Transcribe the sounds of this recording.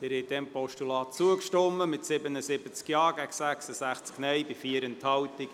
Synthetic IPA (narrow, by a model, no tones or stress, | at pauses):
d̥̪ɛːɾhɛt̚dɛmpɔʃtulɑːt̚t͡suəkʃtɔmːəmɪtsɪbənəsɪbət͡skjɑːɡ̥æɡsæksəsæχt͡sknɛjbifiəɾənthɑwt̪ɪk